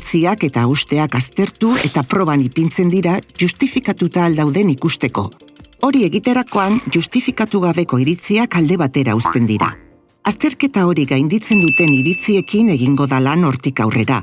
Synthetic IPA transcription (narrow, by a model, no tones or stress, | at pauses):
t͡siake̞t̪aust̪e̞akast̪e̞ɾt̪ue̞t̪apɾo̞β̞anipint͡se̞nd̪iɾaʝust̪ifikat̪ut̪aːld̪awðe̞nikust̪e̞ko̞̰o̞ɾie̞ɣit̪e̞ɾako̞anʝust̪ifikat̪uɣ̞aβe̞ko̞iɾit͡siakald̪e̞β̞at̪e̞ɾa̰ust̪e̞nd̪iɾa̰ | ast̪e̞ɾke̞t̪ao̞ɾiɣajnd̪it͡se̞nd̪ut̪e̞niɾit͡sie̞kine̞ɣ̞iŋɡo̞ðalano̞ɾt̪ikawre̞ɾa